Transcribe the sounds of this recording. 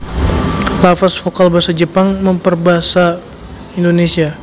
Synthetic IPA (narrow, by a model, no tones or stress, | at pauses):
lafasfokalbaasad͡ʒəpaŋməmpərbaɦasa | indonesia